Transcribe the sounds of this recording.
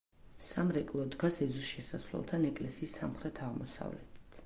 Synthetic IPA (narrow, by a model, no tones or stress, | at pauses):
samɾɛkʼlˠɔd̪ɡasɛzusʃɛsasvlɛ̰lˠt̪ʰanɛkʼlɛsiːsːa̰mχɾɛt̪ʰaʁmɔsa̰vlɛ̰t̪ʰi̥t̪ʰ